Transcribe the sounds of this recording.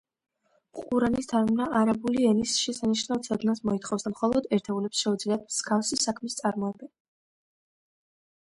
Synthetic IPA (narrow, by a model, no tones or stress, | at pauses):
χʼuɾanisd̪ʰaɾmnaʔaɾabuliɛnisʃɛsaniʃnavt̪sʰad̪nasmɔit̪χɔfsd̪amχɔlˠɔd̪ɛɾt̪ʰɛulɛpsʃɛud̪zliat̪̚ʰmsɡafsisakʰmist̪sʼaɾmɔɛbɛn